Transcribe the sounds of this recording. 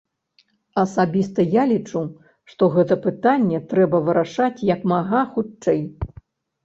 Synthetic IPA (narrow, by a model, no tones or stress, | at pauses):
ɐsabʲist̪ɐjalʲit͡ʂu | ʂt̪ɔɣɛt̪ɐpɨt̪anʲːɛt̪ɾɛbɐvɨɾaʂat͡sʲjɐkmaɣaxut͡ʂɛj